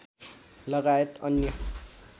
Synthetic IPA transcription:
lʌɡajet̪ʌnjʌ

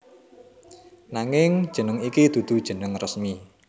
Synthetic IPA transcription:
naŋɪŋ̥ʒ̥ə̤nəŋikid̪̥ṳd̪̥ṳd̥ʒ̥ə̤nəŋrəsmi

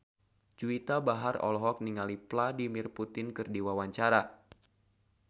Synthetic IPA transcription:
d͡ʒuit̪abaɦarɔ̰lɔɦɔk̚niŋalipladimɪrput̪ɪnkɨrdiwawaɲt͡ʃaɾa

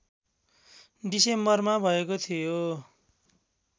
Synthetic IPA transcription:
ɖisembʌrmabʱʌekot̪ʰijo

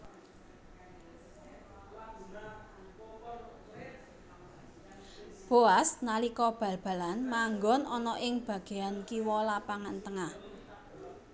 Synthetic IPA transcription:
b̥oasnalikɔb̥ä̤lb̥ä̤lanmaŋɡɔnɔnɔʔɪŋb̥ä̤ɡ̥e̤jankiwɔlapaŋant̪əŋah

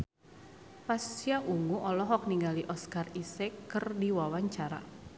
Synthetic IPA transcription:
pasiaʔuŋuʔɔlɔɦɔk̚niŋɡaliʔɔskarisɛkːɨrdiwawaɲt͡ʃaɾa̰

